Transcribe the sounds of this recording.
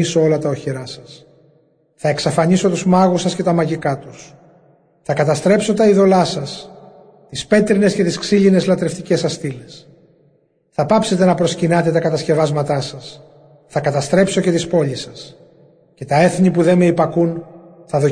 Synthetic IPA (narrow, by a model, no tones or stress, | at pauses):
iso̞o̞lɐt̪ɐoçeɾɐsɐs | θɐeksɐfɐɲiso̞t̪uzmɐɣusɐsce̞t̪ɐmɐʝikɐt̪us | θɐkɐt̪ɐst̪ɾe̞pso̞t̪ɐiðo̞lɐsɐs | t̪ispe̞t̪ɾine̞sce̞t̪isksiʎine̞zlɐt̪ɾe̞ft̪icesɐst̪ile̞s | θɐpɐpse̞t̪e̞nɐpɾo̞scinɐt̪e̞t̪ɐkɐt̪ɐsce̞vɐzmɐt̪ɐsɐs | θɐkɐt̪ɐst̪ɾe̞pso̞ce̞t̪ispo̞ʎisɐs | cet̪ɐe̞θɲipuðe̞meipɐkunθɐðo̞